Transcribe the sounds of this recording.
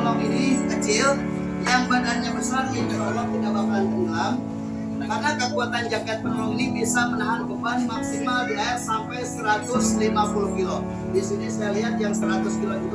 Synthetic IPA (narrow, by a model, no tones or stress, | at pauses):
lɔŋinikət͡ʃɪl | jaŋbadanɲabəsardid͡ʒuɾalɔd̪inabakant̪əŋɡam | karnakəkuat̪and͡ʒaɡat̪̚pənɔŋinibisamənaɦankəbanmaksimabilajasampajsəɾat̪ʊslimapulukilo | disunisajaliɦat̪̚jaŋsəɾat̪ʊskilokilo